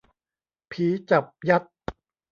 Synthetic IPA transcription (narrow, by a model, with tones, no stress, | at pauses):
pʰiː˨˦t͡ɕa˨˩p̚ja˦˥t̪̚